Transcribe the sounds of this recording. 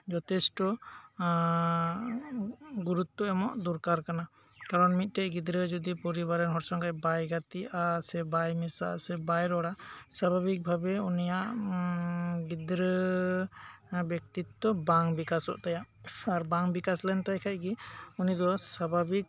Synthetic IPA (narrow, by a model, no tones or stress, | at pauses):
d͡ʒɔt̪ɛsʈɔ | ɡuɾut̪ːɔɛmɔʔd̪uɾkaɾkana | kaɾɔnmit̪̚ˀʈɛʔɡid̪ɾəd͡ʒɔd̪ipɔɾibaɾɛnɦɔɾsɔŋɡajbajɡat̪iʔasɛbajmisa̰sɛbajɾɔɽasabʱabik̚bʱabɛunijaʔ | ɡid̪ɾə | bjɔk̚t̪it̪ːɔbaŋbikasɔ̰ʔt̪ajaʔaɾbaŋbikaslɛnt̪ajkʰacɡiunid̪ɔsabʱabik̚